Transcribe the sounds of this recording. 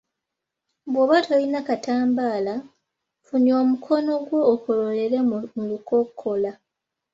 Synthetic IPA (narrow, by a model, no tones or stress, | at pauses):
bwoβatʰolinakataːmbaːla | funio̞ːmukʰo̞no̞ɡwo̞ːkolo̞le̞ɾemuluko̞kʰːo̞la